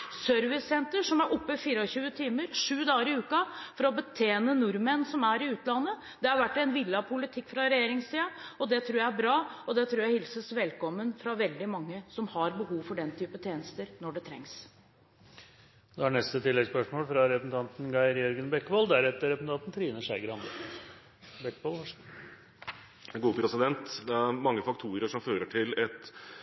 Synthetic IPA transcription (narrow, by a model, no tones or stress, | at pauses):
søɾʋɪsɛnt̪əʂɔmæɾʔɔpːəfiːɾəɔɕʉːət̪ʰiːməɾʂʉːd̪ɑːəɾɪʉːkɑfɔɾɔbət̪ʰeːnənʊɾmənsɔmæɾɪʉːt̪lɑnːə | d̪̥ɛhɑɾʋæʈːɛnʋɪlːɑpʰʊlɪt̪ʰɪkːfɾɑɾɛjeːɾɪŋsiːɑɔd̪ɛt̪ʰɾuːjæɪæbɾɑːɔd̪ɛt̪ʰɾuːjæɪhɪlsəsʋɛlkɔmːənfɾɑʋɛld̪ɪmɑŋːəsɔmhɑɾbəɦuːʋfɔɖɛnt̪ʰyːpət̪ʰjeːnəst̪əɾnɔɖɛt̪ʰɾɛ̰ŋs | d̪̥ɛænɛst̪ət̪ʰɪlːɛɡspœʂmoːlfɾɑɾɛəsn̩t̪ɑnt̪n̩ɡɑɪɾjœɾɡənbɛkːbɑld̪æɾɛt̪ːəɾɛpəsn̩t̪ʰɑːt̪ən̩t̪ʰɾiːnəʂæɪɡəɾɑnd̪ə | bɛkːbɑlʋɑ | ɡuːəpʰɾɛsɪd̪ɛnt̪d̪ɛææmɑŋːəfɑkt̪ʰuːɾəʂɔmføːɾəʈʰɪlɛt̪